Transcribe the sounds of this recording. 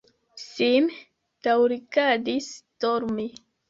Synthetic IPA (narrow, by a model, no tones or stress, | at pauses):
sim | tawɾikadistoɾmi